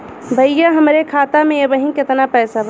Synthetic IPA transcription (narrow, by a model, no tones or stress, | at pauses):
bʱɐjjaɦɐmɾekʰaːt̪amẽjɐbəɦĩkɪt̪napɛːsabʱ